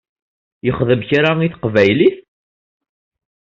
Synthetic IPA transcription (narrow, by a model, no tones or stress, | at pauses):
jəχðəmçɾaiθqvæjliθ